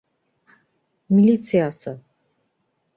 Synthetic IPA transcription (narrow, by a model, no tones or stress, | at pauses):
milit̪sʰijasə